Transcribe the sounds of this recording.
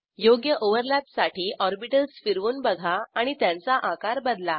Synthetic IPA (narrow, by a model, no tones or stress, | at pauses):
joɡjəʔoʋəɾlat̪saʈiːʔɔɾbiʈəlsfiɾʋuːnbəɡʱaaɽ̃it̪jãnt͡saʔãkaɾbəd̪la